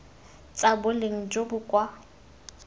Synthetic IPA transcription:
t͡sʼabʊleŋ̩d͡ʒobʊkʼwa

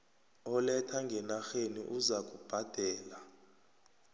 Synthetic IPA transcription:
ɔlɛtʰaŋɡʱɛnaxenḭʔuzakʼub̥ʱad̥ʱɛːla

